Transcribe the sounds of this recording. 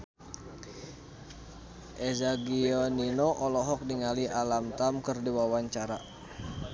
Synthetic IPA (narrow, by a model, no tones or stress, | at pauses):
ʔɛzaɡiɔninɔʔɔlɔɦɔk̚diŋaliʔalamt̪amkərdiwawaɲt͡ʃaɾa